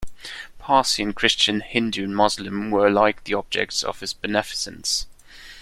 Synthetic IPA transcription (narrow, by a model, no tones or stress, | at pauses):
pʰɑˑsiə̃nkʰɹ̥ɪst͡ʃə̃nhɪ̃ndʉə̃nmɒzlɪ̃mwəlaɪk̚ðiɒb̚d͡ʒɛ̰k̚tsə̰v̥ɪzb̥ɨnɛfɪ̥sə̃ns